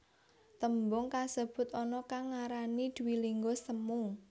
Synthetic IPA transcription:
t̪əmbʊŋkasəb̥ʊ̤t̪ɔnɔkaŋːaɾanid̪̥uwiliŋɡosəmu

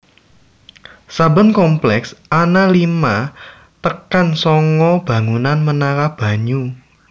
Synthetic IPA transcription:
sabə̤nkɔmplɛksanalima | t̪əkansɔŋɔb̥ä̤ŋunanmənaɾab̥a̤ɲu

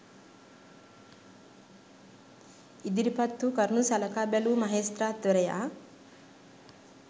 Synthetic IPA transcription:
id̪iɾipɐt̪ːukɐɾnusɐlɐkaːbelumɐɦeːst̪ɾat̪ʋɐɾɐja̰

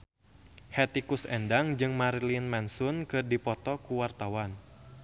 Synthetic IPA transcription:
hɛt̪ikusɛndaŋd͡ʒɨŋmaɾilinmɛnsʊnkɨrdipɔt̪ɔkuwart̪awan

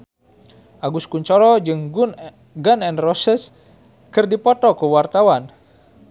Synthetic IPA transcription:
ʔaɡuskuɲt͡ʃɔɾɔd͡ʒɨŋɡun | ɡanɛnrɔsɛs | kɨrdipɔt̪ɔkuwart̪awan

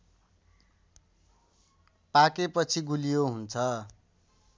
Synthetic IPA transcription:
pakepʌt͡sʰiɡulijoɦunt͡sʰʌ

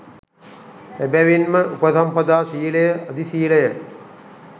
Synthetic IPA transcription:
ebæʋinməʔupəsɐmpɐd̪aːsiːləjəʔɐd̪isiːləjə

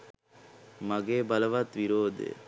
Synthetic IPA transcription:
maɡeːbɐləʋat̪ʋiɾoːd̪ḛ

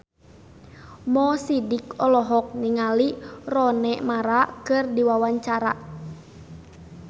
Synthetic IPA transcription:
mɔsidikɔlɔɦɔk̚niŋalirɔnɛmaɾakɨrdiwawaɲt͡ʃaɾa

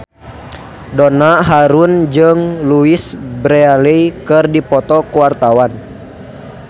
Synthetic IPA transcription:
dɔnaɦaɾund͡ʒɨŋluisbɾɛalɛjkɨrdipɔt̪ɔkuwart̪awan

